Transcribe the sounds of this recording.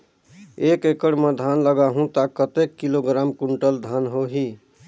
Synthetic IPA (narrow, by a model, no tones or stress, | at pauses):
ekekəɽmed̪ʱanləɡaɦũt̪akːət̪ekːiloɡɾamkuɳʈəld̪ʱanɦoɦi